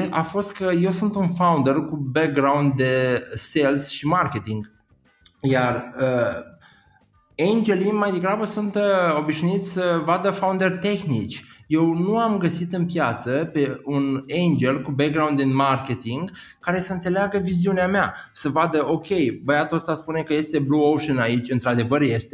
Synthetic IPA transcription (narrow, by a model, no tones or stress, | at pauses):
ʔa̰fo̞st̪kəje̞wsunt̪unfawund̪e̞rkubek̚ɡɾawund̪̚d̪e̞se̞lsʃimarkʲe̞t̪iŋɡ | jarə | end͡ʒe̞limajd̪e̞ɡɾabəsunt̪əo̞biʃnuit̪sʲsəvad̪əfaund̪e̞rʲt̪e̞xnit͡ʃʲje̞wnuamɡəsit̪ɨnpjat̪səpe̞unejnd͡ʒe̞lkubek̚ɡɾawnd̪ɨnmarkʲe̞t̪iŋɡ | kaɾe̞səɨnse̞leaɡəviziuneameasəvad̪əʔo̞kʲe̞jbəjat̪uost̪aspune̞kəje̞st̪e̞bluowʃənait͡ʃʲɨnt̪ɾad̪e̞vərje̞st̪e̞